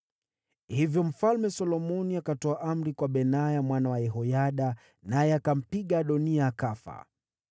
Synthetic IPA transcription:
hivjɔm̩falmɛsɔlɔmɔniakatɔaʔam̩ɾikwaɓɛnajamwanawajɛɦɔjaɗa | najɛakam̩piɠaɗɔniaːkafa̰

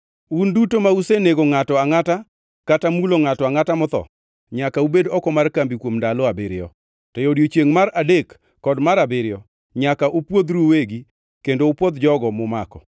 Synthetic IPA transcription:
undutomauseneɡoŋatɔaŋata | katamuloŋatɔaŋatamɔt̪ɔ̰ | ɲakaubedɔkɔmarkambikwomndalɔabɪɾɪɔ̰ | tɔjodjot͡ʃeŋmaɾadekː | ɔdmaɾabɪɾɪɔ | ɲakaʔupwod̪ɾuweɡi | kendopwɔd̪d͡ʒɔɡɔmɔmakɔ̰

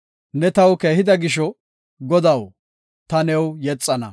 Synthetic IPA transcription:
nɛt̪ɐwke̞ːhɪd̪ɐɡɪʃɔ | ɡɔd̪ɐw | t̪ɐnɛwjɛt͡sʼːɐnɐ̰

